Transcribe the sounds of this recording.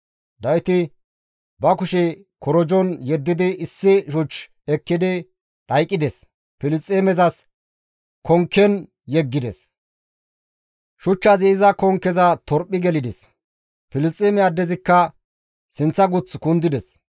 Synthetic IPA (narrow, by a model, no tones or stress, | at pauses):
d̪ɐwɪt̪ɪ | bɐkʊʃɛ | kɔɾɔd͡ʒɔnjɛd̪ːɪd̪ɪʔɪsːɪʃʊt͡ʃː | ɛkːɪd̪ɪ | ᶑɐjkʼːɪd̪ɛs | pɪlɪst͡sʼːeːmɛzɐs | kʰɔŋkːɛn | jɛɡːɪd̪ɛ̰s | ʃʊt͡ʃːɐziɪzɐkɔŋkːɛzɐt̪ɔɾpʼːɪɡɛlɪd̪ɛs | pɪlɪst͡sʼːeːmɛad̪ːɛzɪkːɐ | sɪnt͡sːɐɡʊt͡skʊnd̪ɪd̪ɛs